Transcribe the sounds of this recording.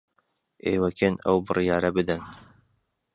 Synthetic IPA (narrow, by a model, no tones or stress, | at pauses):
ʔeːwɛkeːnɐ̰wbɨrɨjɑːɾɐbɨd̪ɛn